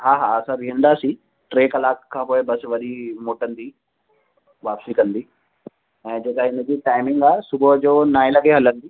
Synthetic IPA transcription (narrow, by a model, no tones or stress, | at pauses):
ɦaːɦaɐsãbʱiɦə̃nd̪aːsi | ʈɾeːkɐlaːkkʰːãːpoːebɐsʋɐɗʱimoːʈənd̪iː | ʋaːpsikɐ̃nd̪iː | ɛ̃ːd͡ʑeːkaɦɪnə̃d͡ʑiːʈaːɪmɪ̃ŋɡaːsʊbəd͡ʑoːnaːẽlɐɡeɦɐlə̃nd̪iː